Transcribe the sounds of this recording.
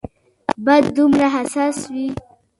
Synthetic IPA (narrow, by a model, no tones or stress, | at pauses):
bad̪ːumɾaɦasaswi